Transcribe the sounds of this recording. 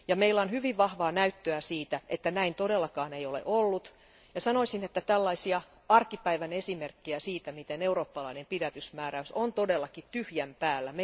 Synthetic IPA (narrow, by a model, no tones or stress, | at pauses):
jɑmeilːæonhyʋiʋʋɑhʋɑːnæyt̪ːøæsiːt̪æʔet̪ːænæint̪odelːɑkɑːneijolḛʔolːut̪ | jɑsɑnoisinet̪ːæt̪ælːɑisiɑ | ɑrkipæiʋænesimerkːiæsiːt̪æmit̪eneuroːpːɑlɑinempidæt̪ysmæːræysont̪odelːɑkitt̪yhjæmpæːlːæme